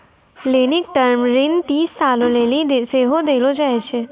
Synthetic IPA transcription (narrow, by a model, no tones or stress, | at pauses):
lenɪkʈəɾmɾint̪iːsːalolelid̪seɦod̪elod͡ʒaet͡ʃʰe